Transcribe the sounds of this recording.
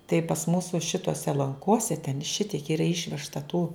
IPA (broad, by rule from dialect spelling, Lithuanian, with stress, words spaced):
tɐɪ pɐs ˈmuːsʊ ˈʃʲɪtoːsʲɛ lˠɐŋˈkoːsʲɛ tʲɛn ˈʃʲɪtʲiɛk ˈiːrɐ ˈɪʃʲʋʲɛʃtɐ tuː